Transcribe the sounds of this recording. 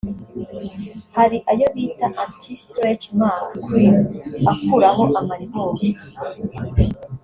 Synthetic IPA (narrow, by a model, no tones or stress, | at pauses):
haɾiʔajoβiːtaʔantʰistɾet͡ʃmaːnakwinakuɾaɦoʔamaɾiβoɾi